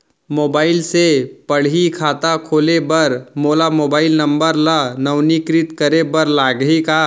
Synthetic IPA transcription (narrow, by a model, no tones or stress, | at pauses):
moːbaːɪlsepəɽ̤ikʰaːt̪akʰoːlebɐɾmoːlamoːbaːɪlnə̃mbəɾlanəwnikɾɪt̪kəɾebəɾlaːɡɦika